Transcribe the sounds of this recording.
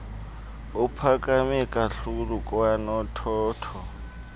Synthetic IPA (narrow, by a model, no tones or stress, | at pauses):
ʊpʰakʼamɛkʼaɬulukʼanɔtʰɔːtʰɔ